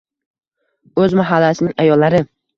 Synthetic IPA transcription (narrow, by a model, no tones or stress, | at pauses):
ɵzmaɦalːasɪnɪŋajɒlːaɾɪ